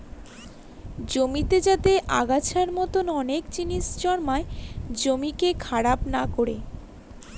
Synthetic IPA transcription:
d͡ʑomit̪ed͡ʑat̪eʔa̰ɡat͡ɕʰaɾmɔt̪onɔnekt͡ɕinit͡ɕd͡ʑɔɽmaed͡ʑomikekʰaɽapnakoɾḛ

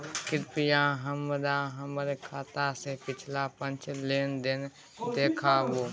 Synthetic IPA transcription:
kɪɾpɪjãɦəməd̪aɦəmɾekʰaːt̪asepɪt͡ʃʰlapə̃nt͡ʃleːnd̪ɪn | d̪eːkʰaboː

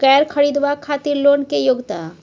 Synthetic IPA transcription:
kɛːɾkʰɐɽid̪ʋakʰaːt̪iɾloːnkejoɡt̪a

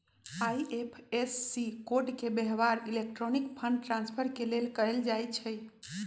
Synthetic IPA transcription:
ajʔepʰesːikoɖkebeɦʋaɾilek̚ʈɾɔnikpʰəɳɖ̚ʈɾãnspʰəɾkelelkəeld͡ʒajt͡ʃʰɛ

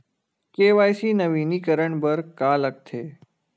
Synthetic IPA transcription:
keːʋajsiːnəʋinikəɾəɳbəɾkalək̚t̪ʰeː

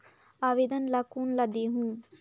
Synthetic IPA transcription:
aʋid̪ɐnlɐkunlɐd̪iɦũn

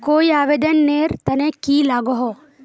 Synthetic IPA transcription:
koːiaːʋeːd̪ənːeːɾt̪ɐnẽkiːlaːɡɔɦo

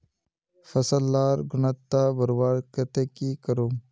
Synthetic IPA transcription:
fɐsɐlːaːɾɡʊnat̪ːabɐɾwaːɾkɐt̪ekikɐɾoː

